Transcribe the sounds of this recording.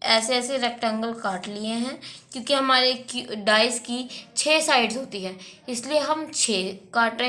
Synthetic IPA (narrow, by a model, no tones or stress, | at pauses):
ɛːseɛːseɾɛk̚ʈə̃ŋɡəlkaːʈlieɦɛ̃ːkjõːkiɦɐmaːɾekɖaːɪskit͡ʃʰeːsaːɪɖzɦoːt̪iɦɛ̃ːɪslieɦɐmt͡ʃʰeːkaːʈẽ